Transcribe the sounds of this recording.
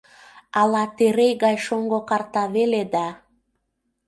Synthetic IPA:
ɑlɑt̪eɾejɣɑjʃoŋɡokɑrt̪ɑβeled̪ɑ

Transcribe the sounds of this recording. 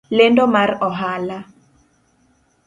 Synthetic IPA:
lɛndʼɔmaɾʔɔɦaːla

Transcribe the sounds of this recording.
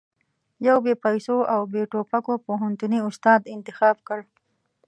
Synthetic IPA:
jawbepajsoʔawbeʈopakopoɦant̪uniʊst̪ɑd̪ɪnt̪ɪxɑbkəɽ

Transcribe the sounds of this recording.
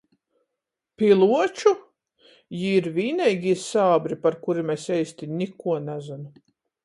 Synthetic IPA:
pʲilˠuɔt͡ʃu | jiiɾvʲiːnʲɛjɡʲisaːbɾipaɾkuɾimesɛjst̪inʲikuɔnazanu

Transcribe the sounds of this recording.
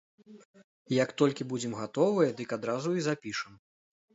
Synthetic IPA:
jɐkt̪ɔlʲkʲibud͡zʲɛmɣat̪ɔvɨjɛd̪ɨkad̪ɾazuizapʲiʂɐm

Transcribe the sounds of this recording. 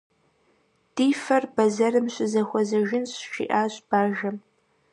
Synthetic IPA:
d̥iːfɐrbɐzɐrɨmɕɪzɐxʷɔzɐʒɪnɕʃʰḭːʔaːɕʼb̥aːʒɐm

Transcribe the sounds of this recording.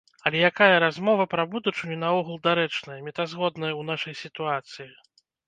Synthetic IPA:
ɐlʲɛjakajɐɾazmɔvɐpɾɐbud̪ut͡ʂɨnʲunɐɔɣɐlˠd̪aɾɛt͡ʂnɐjɐmʲɛt̪azɣɔd̪nɐjɐwn̪aʂɐjsʲit̪uat̪sɨji

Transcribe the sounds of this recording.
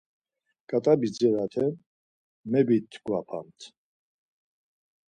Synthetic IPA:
kʼat̪ʼabid͡zɛɾat̪ʰɛn | mɛbit̪ʰːɡwapʰa̰mt̪ʰ

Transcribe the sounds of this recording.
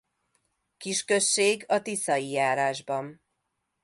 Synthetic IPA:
kiʃkø̞ʃːeːɡɒt̪isɒjijaːɾaːʒbɒn

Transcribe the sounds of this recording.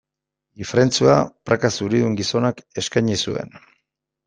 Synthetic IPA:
d̪ifeɾent͡suapɾakasuɾiðuŋɡiso̞nake̞skajɲisue̞̰n

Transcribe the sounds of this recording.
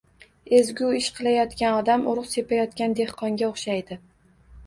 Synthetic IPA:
e̞zɡʲuɪʃqʰɨlˠajɒt̪kʲanɒd̪amʔʊɾʊqse̞pʰajɒt̪kʲand̪e̞hqʰɒŋɡʲaoχʃajd̪ɪ

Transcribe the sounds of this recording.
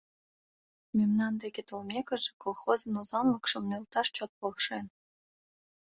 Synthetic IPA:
mʲemnɑnd̪ekʲĕt̪olmʲekə̆ʒĕkolˠxozənozɑnlɤ̆kʃŏmnelt̪ɑʃt͡ɕot̪̚polˠʃen

